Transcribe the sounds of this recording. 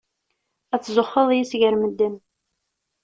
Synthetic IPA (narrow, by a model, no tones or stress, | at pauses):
æt͡sːzʊχːəðˤjisʝəɾməd̪ːən